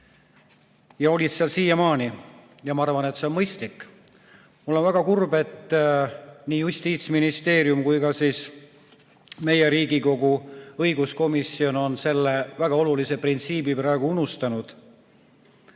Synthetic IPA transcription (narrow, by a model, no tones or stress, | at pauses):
jɑo̞lʲid̪siɑlsiːjɑmɑːni | jɑmɑɑrvɑne̞t̪se̞o̞nmɤjst̪likːˑ | mulːo̞nvæɡ̥ɑkurbe̞t̪ː | niːjusʲt̪iːt̪sminist̪e̞ːɾjumkujkɑsiːs | me̞je̞ɾiːɡiko̞ɡ̥uɤ̞jɡusko̞misio̞no̞nse̞lːe̞væɡ̥ɑo̞lulise̞print̪siːbipɾɑeɡ̥uunust̪ɑnud̪̥